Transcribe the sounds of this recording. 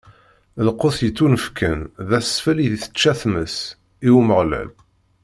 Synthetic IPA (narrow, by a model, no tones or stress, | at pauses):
lqoθjət͡sːunəfkʰənðæsːfəliðiθə̥t͡ʃːæθməs | iwməʁlæ̰l